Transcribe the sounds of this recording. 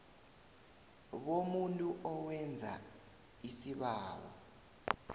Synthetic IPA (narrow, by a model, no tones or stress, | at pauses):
ɓomuntʼuʔɔwɛnd͡zʱa̰ | isiɓaːwɔ̰